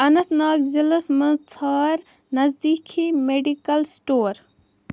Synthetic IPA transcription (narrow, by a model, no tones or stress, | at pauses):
ɐnɐt̪naːkzilɐsmə̃t͡sʰaːɾ | nɐzd̪iːkʰimeɖikɐlsʈoːɾ